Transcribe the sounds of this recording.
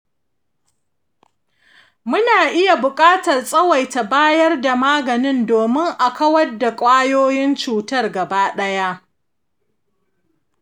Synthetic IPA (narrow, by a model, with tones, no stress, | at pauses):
mʊ˦naː˨ʔɪ˦ja˨bʊ˨kʼaː˦tɐ˨rsʼɐ˦wɐ˨jta˨baː˦jɐ˦rda˨maː˦ɡɐ˨nɪ˦ndoː˨mɪ˦ŋʔa˨kɐ˦wɐ˦rda˨kʷʼaː˦joː˦jɪ˦nt͡ʃuː˨tɐ˦rɡɐ˨baː˦ɗɐ˦ja˦